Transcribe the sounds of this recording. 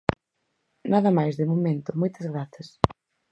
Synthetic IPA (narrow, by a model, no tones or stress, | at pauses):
naðɐmajzðɪmomẽnt̪ʊmojt̪ɐzɣɾaθɐs